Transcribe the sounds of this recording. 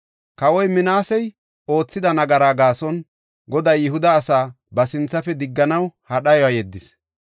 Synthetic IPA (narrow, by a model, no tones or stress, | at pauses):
kɐwɔjmɪnaːsɛj | o̞ːt͡sːɪd̪ɐnɐɡɐɾaːɡaːsɔn | ɡɔd̪ɐjɪɦʊd̪ɐːsaː | bɐsɪnt͡sːɐfɛd̪ɪɡːɐnɐwhɐɗɐjɔajɛd̪ːɪs